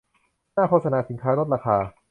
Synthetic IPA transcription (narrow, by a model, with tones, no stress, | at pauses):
naː˥˩kʰoː˥˧t̪sa˧naː˨˩˥si˨˩˦ŋkʰaː˦˥ɾo˦˥t̪̚ɾaː˧xʰaː˧